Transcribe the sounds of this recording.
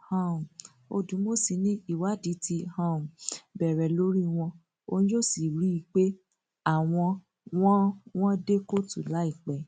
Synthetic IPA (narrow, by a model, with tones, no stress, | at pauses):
hã˧˨ | o̰˧dũ˨˦mo˦si˨nĩ˦i˦˨wa˨˦di˨˦ti˧hã˧˨m˨bɛ˨ɾɛ˨lo˦ɾi˦w̃ɔ̃˧ | o˧ñ˦d͡ʒo˦˨si˨ɾi˦i˧˦k͡pe˦ | a˦˨w̃ɔ̃˧ | w̃ɔ̃˦w̃ɔ̃˦de˦ko˦tu˨la˨˦i˦˨k͡pɛ˨